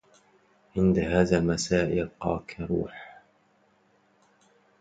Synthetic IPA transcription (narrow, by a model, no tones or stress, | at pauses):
ʕʔɪnd̪aɦaːðaːlmasaːʔɪlqɑːkʰɾṵːħ